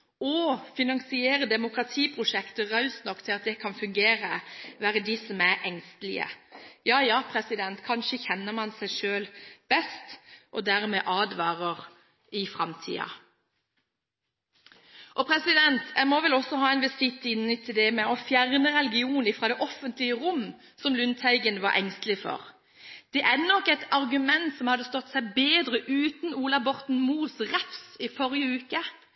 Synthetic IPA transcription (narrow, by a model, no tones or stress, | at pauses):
ɔfɪnɑŋsɪeːɾəd̪ɛmʊkʁɑt̪ʰiːpʰʁʊʂɛkt̪əʁɑʉst̪nɔkːt̪ʰɪlɑt̪̚d̪ɛkʰɑnfʉŋɡeːɾəʋæːɾəd̪isɔmæɾʔɛŋst̪əlɪ̰ə̰jɑːjɑːpʰɾɛsɪd̪ɛnt̪kʰɑnʃəçɛnːəmɑnsæɪʂøːlb̥ɛst̪ʔɔd̪æːɾmɛʔɑːd̪ʋɑːʁəʁ | ɪfɾɑmt̪ʰḭːɑ̰ | ʔɔpʰɾɛsɪd̪ɛnt̪ʰjæmɔʋɛlɔsːɔhɑːɛɪnʋɪsɪt̪ːɪnːət̪ʰɪld̪ɛmɛɔfjæʁnəʁɛlɡɪuːnɪfɾɑd̪ɛʔɔfənt̪lɪəʁʊmː | sɔmlʉnt̪ʰæɪɡənʋɑ̰ɾʔɛŋst̪lɪfɔ̰ʁ | d̪̥ɛʔænɔkːɛt̪ɑʁɡʉmɛnt̪sɔmhɑd̪ːəst̪ɔt̪ːsæɪbeːd̪ʁəʔʉːt̪n̩uːlɑbɔʁt̪n̩muːsʁɛfsɪfɔɾjəʉːkə